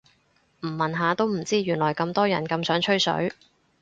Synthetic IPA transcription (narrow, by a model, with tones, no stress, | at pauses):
m̩˨˩mɐ˨nɦaː˨˧t̪o˥wm̩˨˩t͡siː˥ɥyː˨˩nlɔː˨˩jkɐ˧mt̪ɔː˥jɐ˨˩nkɐ˧msœː˨˥ŋt͡ʃʰɵ˥ɥsɵ̰˨˥ɥ